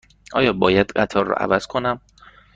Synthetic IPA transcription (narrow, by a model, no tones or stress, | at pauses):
ʔɒːjɒːbɒːjæd̪̥ɢæt̪ʰɒːrːɔ̰ːʔæ̰væz̥kʰonæm